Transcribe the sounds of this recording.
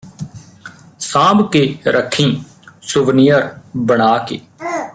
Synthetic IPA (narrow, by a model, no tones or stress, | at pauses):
sãːbkeːɾʔəkʰːĩː | sʊʋnijəɾbəɽ̃aːkḛː